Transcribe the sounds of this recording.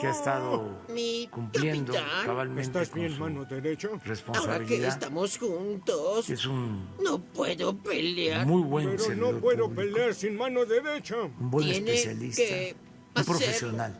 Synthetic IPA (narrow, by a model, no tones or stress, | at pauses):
keaest̪aðomikumpkljeint̪d̪oanaβalmẽsnt̪azβjenmãnoðeɾet͡ʃoresponaossaɾaβilkeðːst̪amosxunt̪osesunnopweðopeljaɾmujβweeɾonopweðopeleaɾsinmãnoðeɾet͡ʃaumbweneeneesjalisket̪a | apɾoseeɾsjonal